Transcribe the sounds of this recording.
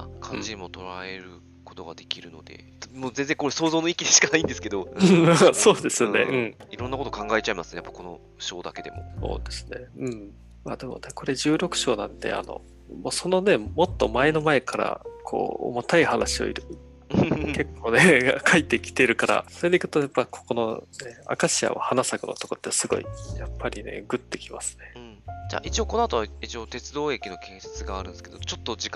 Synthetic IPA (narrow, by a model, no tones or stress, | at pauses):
akʰãd͡ʑid̪eimot̪o̞ɾaeɾɯ̟ | kot̪o̞ɡad̪e̞kʲiɾɯ̟no̞d̪e̞̰ | moːzẽ̞nze̞ŋkoɾesoːzoːnoikʲid̪eɕi̥kanaĩnd̪e̞sɨ̥ke̞d̪o̞ɯ̟̃aso̞ːd̪e̞sɨne̞̰ʔɯ̟̃ɴiɾonːako̞t̪okãŋɡaet͡ɕaimasɨnejapːḁko̞no | ɕo̞ːd̪ake̞d̪e̞mo̞̰so̞̰ːd̪e̞sɨ̥ne̞ɯ̟̃ɴ | maːd̪e̞mo̞̰neko̞ɾe̞ʑɨːɾo̞kɯ̟̥ɕo̞ːnãnt̪e̞̰a̰no̞̰ | moso̞no̞ne̞mo̞t̪ːo̞̰mae̞no̞mae̞kʰaɾa̰kʰo̞̰ːo̰mot̪aihanaɕio̞̰ḭɾɯ̟ | ke̞kʰːo̞ːne̞ɡakʰait̪ːeikʲi̥t̪e̞iɾɯ̟kaɾa̰so̞ɾed̪e̞ikɯ̥t̪o̞japːakʰo̥ko̞none̞a̰kaɕia̰o̰hanasaɡɯ̟no̰t̪oko̞t̪ːesɨɡo̞̰ḭjapːaɾʲine̞̰ɡɯ̟t̪ːe̞kʲima̰sɨ̥nẽ̞d͡ʑa̰ʔit͡ɕio̞konoat̪oβait͡ɕio̞t̪e̞t͡sɨd̪oːe̞kʲino̞kʰẽ̞ɰ̃se̥t͡sɨɡaːɾɯ̟̃nesked̪ot͡ɕot̪ːod͡ʑik